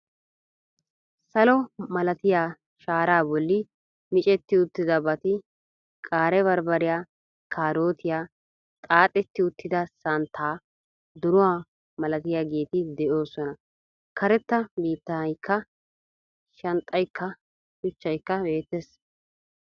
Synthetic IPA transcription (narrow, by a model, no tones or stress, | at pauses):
sɐlɔmɐlɐt̪ɪjaː | ʃaːɾaːbɔlːɪ | mɪt͡ʃʼɛt̪ːɪʊt̪ːɪd̪ɐbɐt̪ɪ | kʼaːɾɛβɐɾbɐɾɪjaː | kʰaːɾo̞ːt̪ʰɪjaː | t̪ʼaːt̪ʼːɛt̪ːɪʊt̪ːɪd̪ɐsɐnt̪ʰːaː | d̪ʊɾʊwaː | mɐlɐt̪ɪjaːɡe̞ːt̪ɪd̪ɛʔo̞ːsɔnɐ | kʰɐɾɛt̪ːɐbiːt̪ːɐjkʰːɐ | ʃɐnt̪ʼːɐjkʰːɐ | ʃʊt͡ʃːɐjkːɐbe̞ːt̪ːes